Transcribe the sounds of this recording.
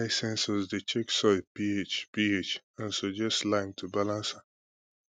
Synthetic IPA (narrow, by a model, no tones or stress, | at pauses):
aɪsɛ̃nsɔzdet͡ʃeksɔpiet͡ʃpiet͡ʃ | ãnsod͡ʒɛstlãɪmtʰubalãnsa